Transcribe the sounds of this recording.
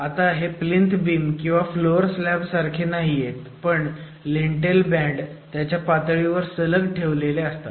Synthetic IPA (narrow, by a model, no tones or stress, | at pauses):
at̪aɦeplint̪biːmkĩw̃ʋafloəɾslæbsaɾkʰenaɦijet̪pəɳ | liɳʈelbæ̃ɖt̪jat͡ɕjapat̪ɭiʋəɾsələɡʈʰeʋleleəst̪a̰